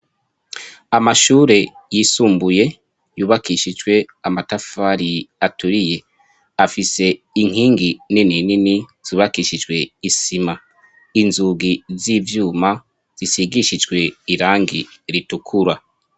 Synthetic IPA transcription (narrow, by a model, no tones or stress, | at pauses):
amaʃuːɾe̞jiːsuːmbuje̞ | juːβakiːʃid͡ʒɡwe̞amatafaɾiatuɾije̞ | afise̞ | iŋ̥hiːŋɡininininiz̥iβakiːʃid͡ʒwe̞isima | inzuɡiziːvjuːma | z̥isiɡiʃid͡ʒɡwe̞iɾaːŋɡiɾitukʰuɾa